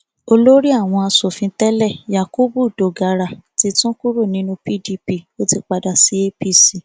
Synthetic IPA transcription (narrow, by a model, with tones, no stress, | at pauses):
o˧lo˦ɾi˦a˦˨w̃ɔ̃˧a˧so˨fĩ˧tɛ˦lɛ˦˨ja˨ko˦bu˦˨do˨ɡa˧ɾa˧˨ti˧tũ˦ku˦ɾo˦˨nĩ˨˦nũ˧pi˦di˧pi˧˨o˦ti˧k͡pa˧da˨si˨˦e˦pi˦si˦˧˨